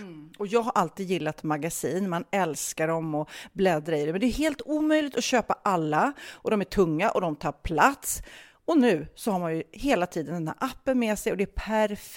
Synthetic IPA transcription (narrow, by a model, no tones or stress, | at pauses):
ɔjɑːɡɦaɾʔalt̪iːd̪jɪlːat̪maɡasiːnmanɛlskaɖɔmɔblɛd̪ɾaɪd̪ɛmɛnd̪ɛːɾɦeːlt̪uːmœjlɪɡ̚t̪ɔɕøːpaʔalːaʔɔd̪ɔmæʈʰɵŋːaʔɔd̪ɔmt̪ʰɑːɾpʰlat̪s | ɔnʉ̟ːsɔhaɾmanjɵheːlat̪ʰiːd̪ənɛnæ̰ːɾʔapːənmɛːsɛjɔd̪ɛæɾpʰæɾf